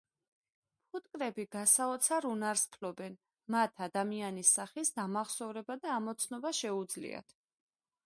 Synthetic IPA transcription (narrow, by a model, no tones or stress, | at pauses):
pʰut̪ʼkʼɾɛbiɡasaɔt̪sʰaɾunaɾspʰlɔbɛn | mat̪ʰad̪amianisaχisd̪amaχsɔvɾɛbad̪aːmɔt̪sʰnɔbaʃɛud̪zlḭa̰t̪ʰ